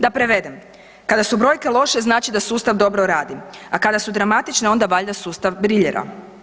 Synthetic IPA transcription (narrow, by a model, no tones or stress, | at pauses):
d̪apɾe̞ʋe̞d̪em | kad̪asubɾo̞ːjke̞lˠo̞ʃe̞znaːt͡ʃid̪asuːst̪aʋd̪o̞bɾoɾaːd̪iakad̪asud̪ɾamat̪it͡ʃneo̞nd̪aʋaʎd̪asuːst̪aʋbɾiʎeɾʔa̰